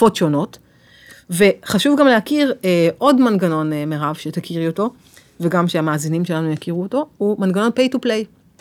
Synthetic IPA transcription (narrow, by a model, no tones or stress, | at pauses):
fotʃo̞no̞t | ve̞χaʃuvɡamlehakiʁeʔo̞dmanɡano̞nmeʁavʃetakiʁoto̞ | veɡamʃeamaːzinimʃe̞lanujakiʁuoto̞humanɡano̞npejtuplej